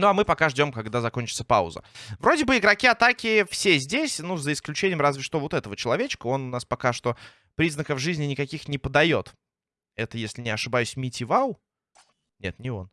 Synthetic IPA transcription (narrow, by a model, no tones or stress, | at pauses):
nuɐmɨpɐkaʐdʲo̞mkɐɡd̪azɐko̞nʲt͡ɕɪt̪sə̥pa̰ʊ̰zə̰vɾo̞dʲɪbɨɪɡɾɐkʲiɐt̪akʲɪfsʲezʲdʲesʲnuzəɪsklʲʉt͡ɕenʲɪjəmrazvʲɪʂt̪ovo̞t̪ɛt̪əvət͡ɕɪlˠɐvʲet͡ɕɪ̥kəo̞nʊnaspɐkaʂt̪o̞ | pɾʲiznəkəvʐɨzʲnʲɪnʲɪkɐkʲixnʲɪpəd̪ɐjo̞t̪ | ɛt̪əjesʲlʲɪnʲɪɐʂɨbajʉsʲmʲitʲɪvalˠ | nʲe̞̰t̪nʲɪo̞n